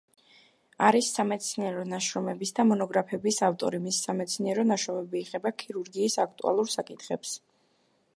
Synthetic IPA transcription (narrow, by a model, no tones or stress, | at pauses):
aɾisːamɛt̪sʰniɛɾɔnaʃɾɔmɛbisd̪amɔnɔɡɾapʰɛbisaft̪ʼɔ̰ɾimisi̥samɛt̪sʰniɛɾɔnaʃɾɔmɛbiːʁɛbakʰiɾuɾɡiːsak̚ʰt̪ʼṵa̰lˠuɾsakʼit̪ʰχɛps